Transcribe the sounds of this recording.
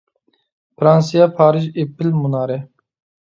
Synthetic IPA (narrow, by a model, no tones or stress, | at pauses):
pɾɑnsijɑpʰɑːɾɪʒepːɪlmunɑːɾɪ